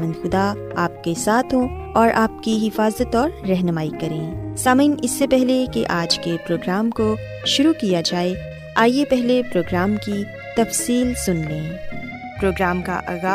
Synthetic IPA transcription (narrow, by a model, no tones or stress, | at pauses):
ə̃nd̪xʊd̪a | aːp̚kesaːt̪ʰɦõ | ɔːɾʔaːp̚kiɦɪfaːzət̪ɔːɾːɛɦnəmaːikɐɾẽːsaːmiːnɪsːepɛɦlekeʔaːd͡ʒkepɾoːɡɾaːmko | ʃʊɾukijad͡ʒaːe | aːjepɛɦlepɾoːɡɾaːmki | t̪ɐfsiːlsʊnlẽː | pɾoːɡɾaːmka̰ʔaːɣaː